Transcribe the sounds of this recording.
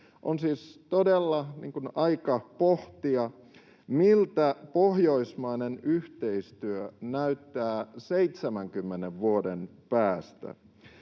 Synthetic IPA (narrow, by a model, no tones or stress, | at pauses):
ʔonsiːst̪odelːɑnḭŋkunɑikɑpoht̪iɑ | milt̪æpohjoismɑinenyht̪eist̪yønæyt̪ːæːseit̪semæŋkymːeneʋʋuodenpæːst̪æ̰